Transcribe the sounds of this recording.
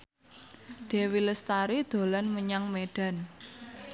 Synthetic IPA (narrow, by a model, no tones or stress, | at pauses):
d̪̥e̤wiləst̪aɾid̪̥o̤lanməɲaŋmeɖ̥a̤n